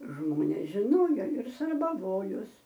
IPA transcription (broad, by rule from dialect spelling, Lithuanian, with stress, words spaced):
ˈʒmoːnʲeːs ʒʲɪˈnoːjoː ɪr sɐrbɐˈʋoːjoːs